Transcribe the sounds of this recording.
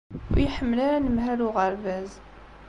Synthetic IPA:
ʊ̰ɾjəħəmːəlaɾanəmɦæɾuʁəɾvæz

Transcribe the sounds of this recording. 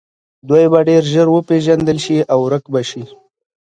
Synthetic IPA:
d̪wojbaɖeɾʒəɾwəpeʒand̪əlʃiawɾəkbaʃi

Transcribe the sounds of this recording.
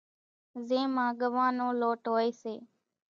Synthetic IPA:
zẽːmãːɡəʋãːnõːloːʈɦoːeːseː

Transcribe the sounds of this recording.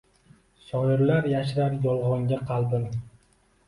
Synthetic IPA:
ʃɒjɪɾlaɾjaʃɾaɾjɒlˠʁɒŋɡʲaqʰɑlˠb̪ɪm

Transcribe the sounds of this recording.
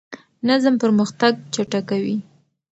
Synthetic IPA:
nazmpəɾməxt̪aɡ̚t͡ʃaʈakawi

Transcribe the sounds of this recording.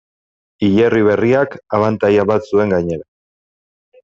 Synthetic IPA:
iʎeriβ̞e̞riakaβant̪ajaβat̪sue̞ŋɡaɲe̞ɾa

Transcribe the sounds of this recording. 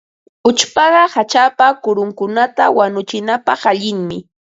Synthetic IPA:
ʊt͡ʃpɑɢɑhat͡ʃapakʊɾʊŋkʊnat̪awanʊt͡ʃɪnapɑχaʎɪŋmɪ

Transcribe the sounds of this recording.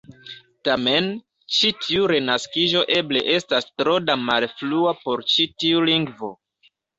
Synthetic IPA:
tame̞n | t͡ʃitʰiuɾe̞naskiʒo̞ʔe̞ble̞̰ʔe̞stastɾo̞damalfluapo̞ɾt͡ʃitiuliŋɡvo̞̰

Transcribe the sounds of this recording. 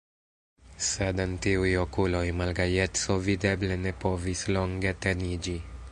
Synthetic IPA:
sedentiujokulojmalɡajetso̞vide̞ble̞ne̞po̞vislo̞ŋɡe̞te̞nid͡ʒi

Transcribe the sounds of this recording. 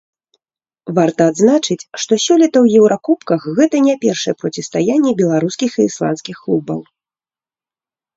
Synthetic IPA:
vart̪ɐːd̪znat͡ʂɨt͡sʲʂt̪ɔsʲɔlʲit̪ɐwjɛwɾʔakupkɐxɣɛt̪ɐnʲapʲɛrʂɐjɛpɾɔt͡sʲɛst̪ajanʲːɛbʲɛlˠaɾuskʲixiːslˠa̰nskʲixklˠubɐ̰w

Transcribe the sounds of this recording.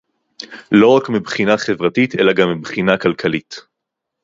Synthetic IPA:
lo̞ʁakmibχinaχevʁatitʰelaɡamːibχinakalkʰalit

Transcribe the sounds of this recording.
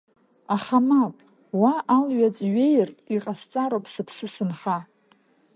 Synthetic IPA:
aχamapʼ | waʔalɥat͡sʷʼɥejrtʼiqʼast͡sʼaɾowpʰʼsɨpʰsɨsɨnχa

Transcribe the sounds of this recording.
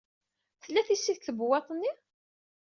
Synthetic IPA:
θəlːæθisːiðθəbwɑt̪ˤnːi

